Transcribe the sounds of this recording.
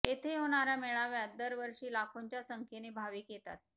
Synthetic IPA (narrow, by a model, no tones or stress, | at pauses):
et̪ʰeɦoɽ̃aɾjameɭaʋjad̪əɾʋəɾʂiːlakʰoɲt͡ɕjasəŋkʰenebʱaʋiːkjet̪a̰t̪̚